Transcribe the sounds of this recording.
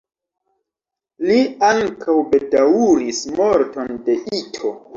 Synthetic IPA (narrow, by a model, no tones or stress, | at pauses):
liaŋkʰawbe̞dawuɾismo̞ɾto̞nde̞ʔitʰo̞